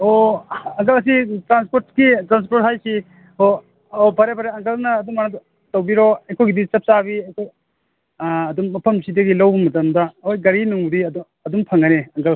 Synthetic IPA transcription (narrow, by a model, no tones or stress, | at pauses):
oɐŋkɐlɐs̬itɾanspoɾtkitɾans̬poɾt̚hajsi | o | opʰaɾepʰaɾeɐŋkɐlnɐːdumana | tawbiɾɔɐjkʰojɡidit͡ʃɐp̚t͡ʃabiɐjkʰoj | ɐduŋːɐpʰɐmsidɐɡilɐwbumɐtɐmdɐojɡɐɾinuŋbudid | ɐdumpʰɐŋaneɐŋɡəl